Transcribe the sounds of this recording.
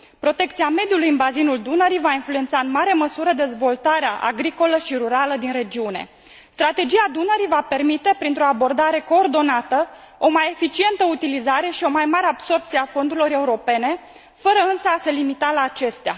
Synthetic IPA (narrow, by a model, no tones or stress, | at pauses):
pɾo̞t̪e̞kt̪siame̞d̪julujɨnbazinuld̪unəɾijvainfluent̪saɨnmaɾe̞məsuɾəd̪e̞zvo̞lt̪aɾeaʔa̰ɡɾiko̞ləʃiɾuɾaləd̪inre̞d͡ʒiune̞̰ | st̪ɾat̪e̞d͡ʒijad̪unəɾijvape̞rmit̪e̞pɾint̪ɾo̞abo̞rd̪aɾe̞ko̞ːrd̪o̞nat̪ə | o̞maje̞fit͡ʃie̞nt̪əut̪ilizaɾe̞ʃio̞majmaɾe̞abso̞rpt̪sieafo̞nd̪uɾilo̞ɾe̞uɾo̞pe̞ne̞ | fəɾəɨnsəase̞limit̪alaːt͡ʃe̞st̪ea̰